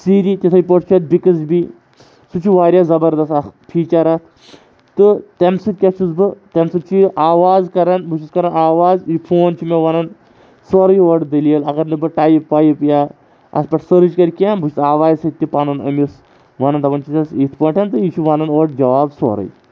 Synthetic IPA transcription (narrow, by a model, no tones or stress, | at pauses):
siːɾit̪ʲit̪ʰɐjpɐʈt͡ʃʰɐt̪̚bikɨzbi | sut͡ʃʰiʋaːɾʲjazɐbɐɾd̪ɐst̪ɐpʰiːt͡ʃɐɾɐt̪ʰ | t̪ɨt̪emsɨt̪̚kʲɐt͡ʃʰuzbɨt̪ɐmsɨt͡ʃʰiʔaːʋaːzkɐɾɐnbut͡ʃʰiskɐɾɐnaːʋaːzipʰoːnt͡ʃʰimʲeʋɐnɐn | sɔɾɐjoɖd̪ɐlijɐlɐɡɐɾnɨbɨʈaːjipːaːjipjaː | ɐ̰spɐʈsəɾd͡ʒkɐɾʲkanbut͡ʃʰisaːʋaːzʲsɐt̪ːipanɐnɐ̰mis | ʋɐnɐnd̪ɐʋɐnt͡ʃʰit̪ɐsit̪ʰpɐɳʈʰɐnt̪ɨit͡ʃʰuʋɐnɐnoːɖd͡ʒɐʋaːbsɔ̰ɾɐ̰j